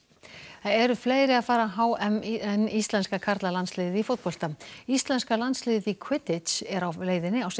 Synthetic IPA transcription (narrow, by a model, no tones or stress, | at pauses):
aɛɾʏfleːjɾɪaðfaːɾaɦaːwɛmɛnːist̪lɛnskakʰaɾt̪lalanslɪːðɪðifot̪̚pɔl̥t̪aist̪lɛnskalant̪slɪːððikʰwɪt̪ɪt̪sɛɾawleːjðɪnːɪaws